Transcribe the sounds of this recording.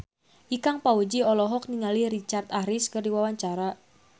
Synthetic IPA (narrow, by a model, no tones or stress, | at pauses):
ʔikaŋpaud͡ʒiɔlɔɦɔk̚niŋaliɾit͡ʃart̪ahɾiskərdiwawaɲt͡ʃaɾa